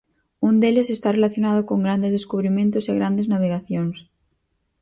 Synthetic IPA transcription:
und̪elesest̪arelaθjonað̞ʊkoŋɡɾand̪ezðeskuβɾimẽnt̪oseɣɾand̪eznaβ̞eɣaθjoŋs

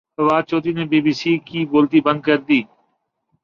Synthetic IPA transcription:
əʋaːd̪̚t͡ʃoːt̪iːneːbiːbiːsiːkiːboːlt̪iːbə̃nd̪̚kəɾd̪iː

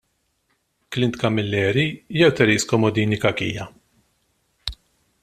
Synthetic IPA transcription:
klɪnt̪kɐmːɪlːɛːɾijɛwt̪ɛɾiːskɔmɔd̪iːnikɐkḭːjɐ

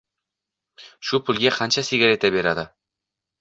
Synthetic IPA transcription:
ʃupʰɵlɡʲeqʰɑnʃasiɡʲaɾet̪æbeɾad̪ə

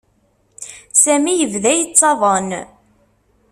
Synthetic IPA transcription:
sæmijəvðæjət͡sːɑðˤən

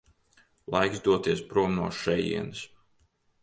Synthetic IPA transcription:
lˠajksd̪uɔt̪iɛspɾuɔmnṵːʃɛjḭɛns

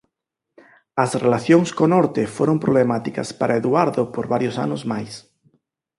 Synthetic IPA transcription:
ɐsrelaθjoŋskonɔɾt̪efoɾompɾoβlemat̪ikɐ̰spaɾʔaeðwaɾðopoɾβaɾjosa̰nʊzmajs

